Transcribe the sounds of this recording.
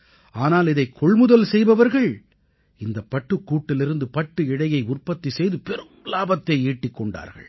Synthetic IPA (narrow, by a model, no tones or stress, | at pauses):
aːnaːlɪðɐɪkʰːɔɭmʊðɐlsɛjbɐʋɐɾɣɐɭ | ɪnd̪ɐpːɐʈːɯkːuːʈːɪlɪɾɯnd̪ɯpɐʈːɯɪɽɐjɐɪʊrpɐt̪ːisɛjðɯpɛɾɯmlaːbɐt̪ːɐɪiːʈːɪkːɔɳɖa̰ːɾɣɐ̰ɭ